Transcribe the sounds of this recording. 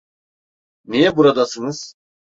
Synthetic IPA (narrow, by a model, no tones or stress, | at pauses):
nijɛbuɾad̪asɯnɯz̥